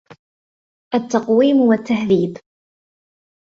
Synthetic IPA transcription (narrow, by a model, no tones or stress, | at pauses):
æt̪ːɑqwimwæt̪ːahðib